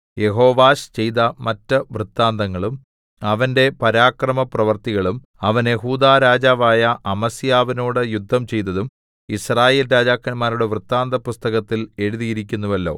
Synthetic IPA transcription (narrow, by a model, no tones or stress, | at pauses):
je̞ɦo̞ːʋaːɕt͡ɕe̞jt̪ɐmɐtːɨʋrɨt̪ːaːnd̪ɐŋːɐɭum | ɐʋɐnde̞pɐɾaːkrɐmɐprɐʋɐrt̪iɣɐɭum | ɐʋɐnje̞ɦuːd̪aːɾaːd͡ʑaːʋaːjɐʔɐmɐsijaːʋinoːɽɨjud̪ʱːɐmt͡ɕe̞jt̪̬ːɐðum | israːje̞ːlɾaːd͡ʑaːkːɐnmaːɾuɽe̞ʋrɨt̪ːaːnd̪ɐpust̪ɐɣɐt̪ːile̞ɻuðijiɾikʲːunːuʋɐlːo̞̰ː